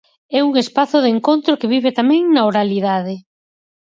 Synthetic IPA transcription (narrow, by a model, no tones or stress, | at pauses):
ɛuŋespaθʊðeŋkont̪ɾokeβiβet̪amɛ̃ŋnaoɾaliðaðɪ